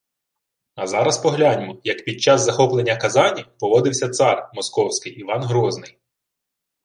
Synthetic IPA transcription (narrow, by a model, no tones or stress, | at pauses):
ɐzɑɾɐspɔɦlʲanʲmɔjɐkpʲid̪̚t͡ʃɑzzɐxɔplˠenʲːɐkɐzɑnʲipɔʋɔd̪ɪwsʲɐt̪sɑrmɔskɔwsʲkɪjiʋɑnɦɾɔznɪj